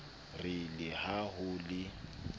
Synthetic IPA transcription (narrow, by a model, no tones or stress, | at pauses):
rɪlɪhaɦʊlɪ